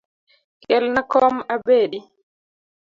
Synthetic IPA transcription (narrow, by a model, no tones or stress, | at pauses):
kɛlnakɔːmabeːɗi